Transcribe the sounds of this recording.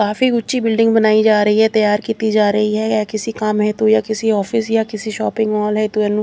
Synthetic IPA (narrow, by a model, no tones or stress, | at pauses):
kaːfiːɡʊːʃiːbɪlɖɪ̃ŋɡbənaːid͡ʒaːɾəɦiːɦɛːt̪əjaːɾkiːt̪iːd͡ʒaːɾəɦiːɦɛːjakɪsikamɦɛːt̪uːjaːkɪsiɔːfʰɪsjaːkɪsiʃɔːpɪ̃ŋɡɔːlɦɛt̪uɛːnũː